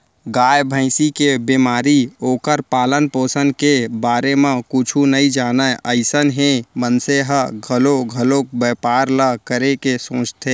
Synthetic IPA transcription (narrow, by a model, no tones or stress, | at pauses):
ɡaːjbʱə̃ɪsikebimaːɾioːkəɾpaːlənpoːsənkebaːɾemẽkʊt͡ʃʰunəĩd͡ʒaːnəəɪsənɦẽmənseɦəɡʱəloɡʱəlok̚beːpaːɾləkəɾekesõːt͡ʃt̪ʰeː